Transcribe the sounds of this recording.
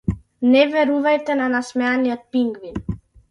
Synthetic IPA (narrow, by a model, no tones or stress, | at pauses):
neveɾuvajt̪enanasmeaniət̪̚piŋɡvin